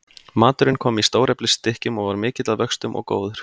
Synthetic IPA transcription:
maːt̪ʏɾɪnkʰɔːmist̪oːwɾɛplɪst̪ɪhcʏmɔɣvaɾmɪːcɪt̪laðvœkst̪ʏmʔɔ̰ɣko̰ːwðʏɾ̥

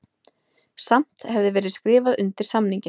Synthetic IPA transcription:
sam̥t̪hɛvðɪvɛːɾɪðskɾɪːvaðʏnt̪ɪɾ̥samniɲcɪ

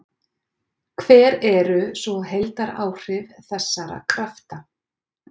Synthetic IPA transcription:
kʰvɛːɾɛɾʏsɔɦejlt̪aɾaːwr̥ɪvθɛsːaɾa̰kʰɾaft̪a

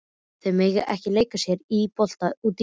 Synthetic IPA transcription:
θemɪɣʔɛ̰hcɪleːjkasjɛɾipɔl̥t̪aut̪

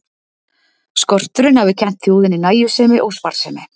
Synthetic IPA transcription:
skɔr̥t̪ʏɾɪnhavɪcʰɛn̥t̪θjoːwðɪnɪnaːjʏsɛːmɪʔɔwspaɾ̥sɛːmɪ

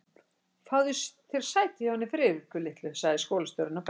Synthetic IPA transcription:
fawðʏst̪ʰɪlsaːjt̪ɪjɛhanːɪfɾɪːɪkʏlɪht̪lʏsaɣðɪskoːwlast̪œwɾʏnawp

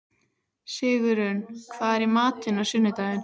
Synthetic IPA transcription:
sɪːɣʏɾʏnkʰvaːðɛɾimaːt̪ɪnawsʏnːʏt̪aːɣɪn

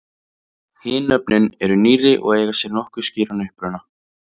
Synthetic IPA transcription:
hɪːnœp̚nɪnɛɾʏniːrɪʔɔ̰ɣeːjɣasjɛɾnɔhkʏ̥sciːɾanʏhpɾʏna

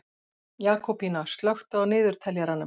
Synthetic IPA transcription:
jaːkɔpinast̪lœxt̪ʏawnɪːðʏɾ̥t̪ʰɛljaɾanːʏ

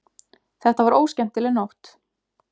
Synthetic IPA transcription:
θɛht̪avaɾoːwscɛm̥t̪ːɪlɛnːowht̪

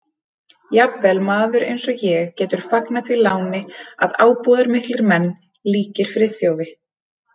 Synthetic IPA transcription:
japvɛlmaːðʏɾʔḛjnsɔjɛɣcɛːt̪ʏɾ̥faknaθvilaːwnɪa̰ðaːwpɔːðaɾmɪht̪lɪɾmɛnː | liːcɪɾ̥fɾɪθjoːwvɪ

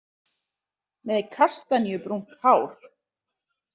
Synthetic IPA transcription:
mɛðɛkʰar̥st̪aniʏpɾuŋ̥khaːwɾ̥

